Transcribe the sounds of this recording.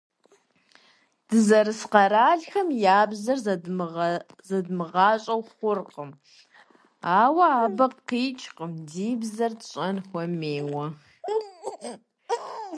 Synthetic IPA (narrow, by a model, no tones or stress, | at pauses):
d̥ɨzɐɾɨsqɐɾaːɮxɐmjaːbzɐr | zɐdmɨʁɑːɕʼɐwχʷʊrqʼəm | aːwɐaːbɐp̚qiːt͡ʃʼqəmdiːbzɐrtɕʼɐnxʷɔmeːwɐ